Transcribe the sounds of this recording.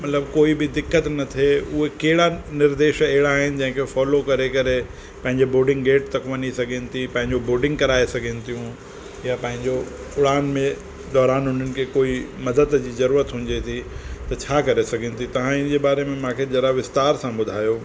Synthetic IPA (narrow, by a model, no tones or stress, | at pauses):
mɐt̪ləbkoːibɪd̪ɪkːət̪nɐt̪ʰeʊɦekeɦɪɽanɪɾd̪eːʃɛɦɪɽaːɦɪnɪ̆d͡ʑɐ̃ɦɪ̃ŋkʰefɔːlokɐɾekɐɾe | pɐ̃ɦɪ̃ɲd͡ʑeboːɖɪ̃ŋɡɡeːʈt̪ɐkʋɐɲisɐɡʱenɪ̆t̪ʰipɐ̃ɦɪ̃ɲd͡ʑoboːɖɪ̃ŋɡkɐɾaːesɐɡʱenɪt̪ʰijũ | japɐ̃ɦɪ̃ɲd͡ʑo | ʊɽaːnmẽ | d̪ɔːɾaːnɦʊn̤ənɪ̆kʰeːkoːimɐd̪əd̪d͡ʑiːzɐɾuːɾət̪ɦũːɲd͡ʑet̪ʰit̪ɐt͡ɕʰaːkɐɾesɐɡʱenɪ̆t̪ʰit̪ɐʋ̤ãɪn̆d͡ʑeːbaːɾemẽmãːkʰed͡ʑɐɾaʋɪst̪aːɾsãbʊd̪ʱaːjo